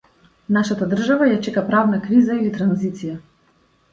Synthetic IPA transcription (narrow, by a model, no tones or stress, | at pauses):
naʃat̪ad̪r̩ʒavajat͡ʃɛkapɾavnakɾizailit̪ɾanzit̪sija